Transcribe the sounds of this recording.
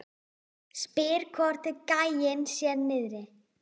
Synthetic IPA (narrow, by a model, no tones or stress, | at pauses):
spɪːɾ̥kʰvɔr̥t̪ɪkaːjɪnsjɛðnɪðɾɪ